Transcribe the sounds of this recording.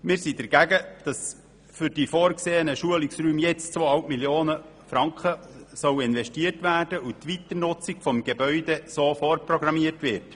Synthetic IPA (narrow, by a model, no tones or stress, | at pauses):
mɪːɾsidɛɾɡ̥æɡəd̥ɑs | fʏɾd̥ifoːɾkseːənəʃuəliksɾyːmjɛt͡st͡sʋoːɑlp̚miljoːnə | fɾɑŋkχəsœwɪnʋɛʃtiərtʋæːrd̥əutʋit̪ənʊt͡siɡfɔmɡebœʏdesofoːrprɔɡɾɑmiətʋɪrt